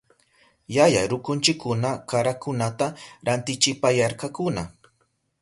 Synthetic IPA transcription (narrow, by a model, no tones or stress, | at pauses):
jaja̰ɾʊkʊnt͡ʃɪkʰːʊnakaɾakʊnat̪aɾant̪ɪt͡ʃɪpajaɾkakʊna